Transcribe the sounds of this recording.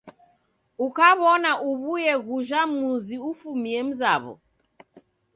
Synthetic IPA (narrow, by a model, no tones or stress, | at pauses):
ukaβɔnaʔuβujɛɣuʒamuziufumiɛm̩zaβɔ̰